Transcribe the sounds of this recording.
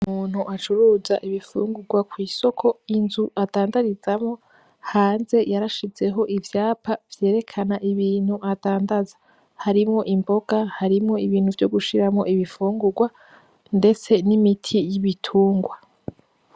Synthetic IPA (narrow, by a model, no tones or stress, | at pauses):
umuːn̥huʔat͡ʃuɾuːza̰ʔiβifṵːŋɡuɡwakwiːso̞kʰo̞inzuataːndaɾiz̥amŋo̞ | haːnze̞jaɾaʃize̞ɦo̞ʔivjaːpʰav̥je̞ːɾe̞kʰanaʔiβiːn̥huʔataːndazḁ | haɾimŋo̞ʔimbo̞ɡ̥ahaɾimŋo̞iβiːn̥huvjoɡuʃiɾamŋo̞̰ʔiβifuːŋɡuɡwa | nde̞t͡se̞nimitʰijiβitʰuːŋɡwa